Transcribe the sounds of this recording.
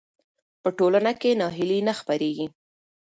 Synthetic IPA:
pəʈolanakenɑɦɪlinaxpəɾeɡi

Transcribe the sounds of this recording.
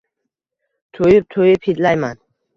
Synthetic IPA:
t̪ʰojɪp̚t̪ʰojɪpʰid̪lajman

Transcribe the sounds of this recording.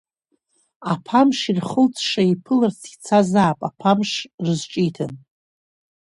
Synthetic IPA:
apʰamʂirχəlt͡sʰʼʂaipʰɨlart͡sʰi̥t͡sʰazaːpʼapʰamʂrɨzʈ͡ʂʼitʰan

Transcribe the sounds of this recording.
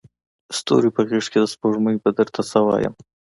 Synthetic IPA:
st̪o̰ɾipəɣeʂked̪əspoʐməjbəd̪əɾt̪ʰasawɑ̰ːjə̰m

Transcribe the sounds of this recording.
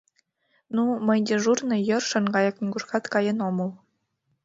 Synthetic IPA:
numə̆jd̪ʲeʐurnɤ̆jɤ̆rʃɤ̆nɡɑjɑknʲiɡuʃkɑt̪kɑjɤ̆nomɤ̆lˠ

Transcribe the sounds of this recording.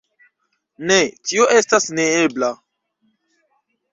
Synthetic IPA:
netioʔe̞stasneebla

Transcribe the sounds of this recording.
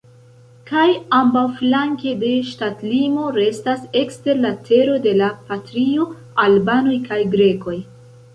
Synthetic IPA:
kajambawflaŋke̞de̞ʃtatlimo̞ɾe̞stase̞kste̞ɾlatʰe̞ɾo̞de̞lapatɾio̞ | albano̞jkajɡɾe̞ko̞j

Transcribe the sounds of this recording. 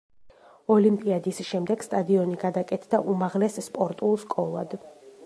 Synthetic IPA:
ɔlimpʼiad̪isʃɛmd̪ɛɡ̥st̪ʼad̪iɔniɡad̪akʼɛt̪ʰd̪aʔumaʁlɛsːpʼɔɾt̪ʼulˠskʼɔlˠa̰d̪

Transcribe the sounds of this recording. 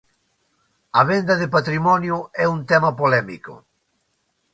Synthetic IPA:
ɐβend̪ɐðepat̪ɾimɔnjʊɛunt̪ɛmɐpolɛmḭkʊ̰

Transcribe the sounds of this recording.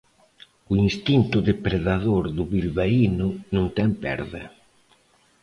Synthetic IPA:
ʊinst̪int̪ʊðepɾeðaðoɾðʊβilβainʊnũŋt̪ɛmpɛ̰ɾðɪ̰

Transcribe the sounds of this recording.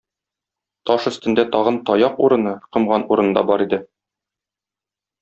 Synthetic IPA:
t̪ɒʃɵ̆st̪ɘ̆nd̪æt̪ɒʁɤ̆nt̪ɒjɑquɾɤ̆nɤqɤ̆mʁɑnuɾɤ̆nɤd̪ɑ̰bɒɾid̪ɘ

